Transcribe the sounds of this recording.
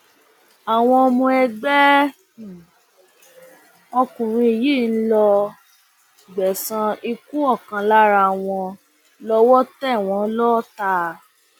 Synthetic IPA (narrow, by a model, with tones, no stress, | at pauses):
a˨w̃ɔ̃˧ɔ˧mũ˧ɛ˧ɡ͡bɛ˦˨ | ɔ˧kũ˨ɾ̃ĩ˧i˨ji˦˨n̩˦lɔ˧ | ɡ͡bɛ˨sã˧i˧ku˦ɔ˦˨kã˧la˦ɾa˧˨w̃ɔ̃˧ | lɔ˧wɔ˦tɛ˦˨w̃ɔ̃˨˧˦lɔ˦ta˧˦